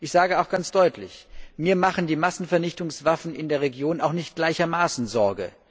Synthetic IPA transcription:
ʔɪçz̥aːɡəaʊxɡ̥ant͡sd̥ɔʏtʰlɪ̰çmiːɐmaχn̩diːmasn̩fɛɐnɪçtʊŋsv̥afn̩ɪndeːɐʁ̞eɡjoːnaʊxnɪçt̚ɡ̥laɪçɐmaːsn̩zɔɐɡə̰

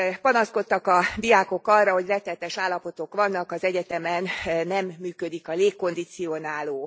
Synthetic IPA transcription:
pɒnɒsko̞t̪ːɒkɒd̪ijaːko̞kɒrːɒɦo̞ɟrɛt̪ːɛlt̪ɛʃaːlːɒpo̞t̪o̞kʋɒnːɒkɒzɛɟɛt̪ɛmɛnːɛmːyːkø̞d̪ikɒleːkːo̞nd̪it̪sionaːloː

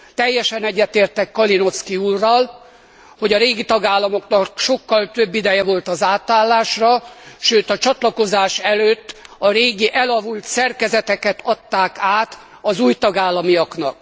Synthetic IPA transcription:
t̪ɛjːɛʃɛnɛɟːɛt̪eːrt̪ɛkːɒlino̞skiuːrːɒl | ho̞ɟɒɾeːɡit̪ɒɡaːlːɒmo̞knɒkʃo̞kːɒlt̪øbːid̪ɛjɛvo̞lt̪ɒzaːt̪aːlːaːʃrɒʃøːt̪ɒt͡ʃɒt̪lɒko̞zaːʃɛløːt̪ːɒɾeːɡiʔɛlɒvult̪sɛrkɛzɛt̪ɛkɛt̪ʰɒt̪ːaːkaːt̪ | ɒzuːjt̪ɒɡaːlːɒmijɒknɒ̰k̚

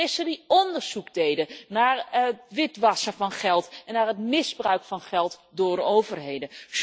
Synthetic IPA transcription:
ɪsədiɔndəɹz̥ukdejdənaːɹʋɪtʋɑsəvɑnχɛlˠtɛnːaːɹɦətmɪzbrœɥkfɑnχɛlˠtdʊːdowvərɦejdəs

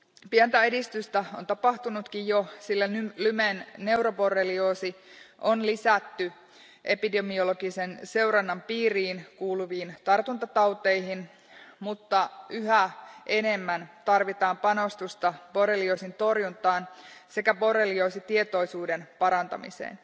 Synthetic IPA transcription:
piænt̪æe̞dist̪yst̪æont̪ɑpɑht̪unut̪kijjosilːæylymenne̞uɾopo̞rːelioːsiʔonlisæt̪ːy | ʔe̞pide̞mio̞lo̞ɡisense̞uɾɑnːɑmpiːriːnkuːluʋiːnt̪ɑrt̪unt̪ɑt̪ɑwt̪eiɦin | mut̪ːɑyɦæʔe̞ne̞mːænt̪ɑrʋit̪ɑːmpɑno̞st̪ust̪ɑporelioːsint̪o̞rjunt̪ɑːnse̞kæpo̞relioːsit̪ie̞t̪o̞isuːdenpɑɾɑnt̪ɑ̰mḭsḛːn

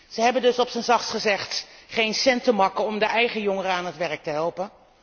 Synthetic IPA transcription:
z̥əɦɛbəndɵsɔpsənzɑχsχəzɛχtχejnsɛntəmɑkəɔmdəʔɛjχəjoŋərəaːnətʋɛrk̚təɦɛlˠpən

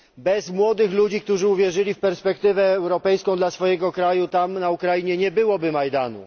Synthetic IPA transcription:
bɛzmwɔd̪ɘxlud͡ʑik̚t̪uʐɘuvʲjɛʐɘlʲifpɛɾspɛkt̪ɘvɛːwɾɔpɛjskɔ̃w̃d̪lasfɔjɛɡɔkɾajut̪amnaukɾajiɲɛɲɛbɘwɔbɘmajd̪anṵ

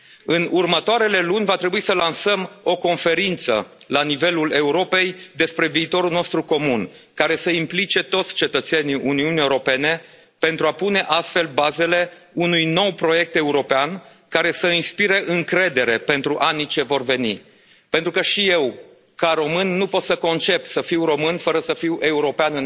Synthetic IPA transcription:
ɨnurmət̪oaɾe̞le̞lunʲvat̪ɾe̞buisəlansəmo̞ko̞nfe̞ɾint̪sə̰lanive̞lule̞uɾo̞pe̞jd̪e̞spɾe̞viːt̪o̞ɾulno̞st̪ɾuko̞mun | kaɾe̞səimplit͡ʃe̞t̪o̞t̪sʲt͡ʃe̞t̪ət̪se̞niʔuniunijewuɾope̞ne̞ | pe̞nt̪ɾuapune̞ʔast̪fe̞lbaze̞le̞unujno̞wpɾo̞je̞k̚t̪e̞uɾo̞pean | kaɾe̞səinspiɾe̞ʔɨŋkɾe̞d̪e̞ɾe̞pe̞nt̪ɾuʔanit͡ʃe̞vo̞rve̞nḭ | pent̪ɾukəʃije̞w | kaɾo̞mɨnːupo̞t̪səko̞nt͡ʃe̞psəfiwro̞mɨnfəɾəsəfiwe̞uɾo̞peanɨn

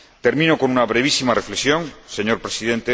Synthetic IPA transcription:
t̪e̞ɾmĩno̞ko̞nunaβɾeβ̞isimarefleksjo̞ŋse̞ɲoɾpɾesiðe̞nt̪e

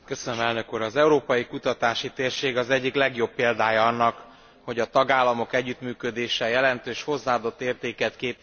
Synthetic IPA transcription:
kø̞sønømɛlnø̞kuːɾɒzɛuɾoːpɒjikut̪ɒt̪aːʃit̪eːrʃeːɡɒzɛɟːiklɛɡjo̞pːeːld̪aːjɒɒnːɒk | ho̞ɟɒt̪ɒɡaːlːɒmo̞kɛɟːyt̪myːkød̪eːʃɛjɛlɛnt̪øːʃho̞zːaːd̪o̞t̪ːeːrt̪eːkɛt̪keːp

